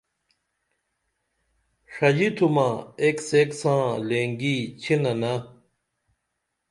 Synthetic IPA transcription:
ʂɐd͡ʑit̪ʰumaekseksãːleːŋɡit͡ɕʰinɐnɐ

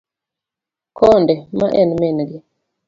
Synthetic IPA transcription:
kɔndɛma̰ʔɛnmɛnɡi

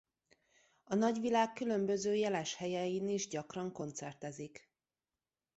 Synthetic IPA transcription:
ɒnɒɟʋilaːkːylø̞mbø̞zøːjɛlɛʃhɛjɛjiniʒɟɒkrɒŋko̞nt̪sɛrt̪ɛzik

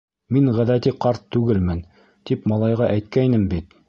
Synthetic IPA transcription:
minʁæðæt̪iqɑɾt̪ːʉɡɘlmɘn | t̪ipmɑlˠɑjʁɑʔæjt̪̚kænɘmbit̪̚

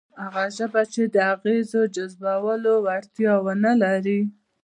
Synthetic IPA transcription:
haɣaʒəbat͡ʃed̪əaɣezod͡ʒazbawəlowaɽt̪jɑwənalaɾi

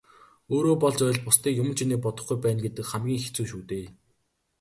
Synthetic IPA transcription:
oːɾoːpɔɮt͡ɕœj̆ɮpʊst̪iːkjʊmɵ̆nt͡ɕʰiniːk̚pɔt̪ɞ̆χɡujpæːnɡet̪ɘ̆kχæmɡʲiːŋxet͡suːʃuːt̪eː

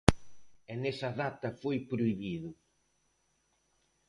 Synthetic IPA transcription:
enesɐðat̪ɐfojpɾoiβiðʊ

